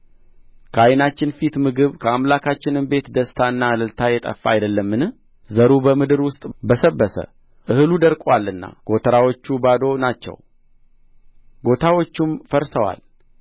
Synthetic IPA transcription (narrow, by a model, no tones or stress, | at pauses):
kʰəajnat͡ʃːɪnfit̪mɨɡɨβkʰəamlakʰat͡ʃːɪnɨmbe̞t̪d̪əst̪ʰaɨnːaləlt̪ʰajɛt̪ʼə̰fːa̰ajd̪əlːəmːɨnɨh | zəɾubəmɨd̪ɨɾwʊst̪ʼbəsəbːəsə̰ | ʔɨhɨlud̪əɾkʼwalːɨnːa̰ɡ̥o̞t̪ʰəɾawot͡ʃːubad̪o̞nat͡ʃːɛ̰w | ɡo̞t̪ʰawo̞t͡ʃːumfəɾsəwa̰l